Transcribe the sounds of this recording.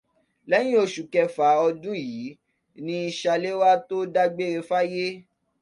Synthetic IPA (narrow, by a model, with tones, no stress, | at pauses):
lɛ˦j̃ĩ˦o˧ʃu˨kɛ˧fa˨˦ɔ˧dũ˦ji˨˦ | nĩ˦i˧ʃa˧le˦wa˦to˦da˦ɡ͡be˦ɾe˧fa˦je˦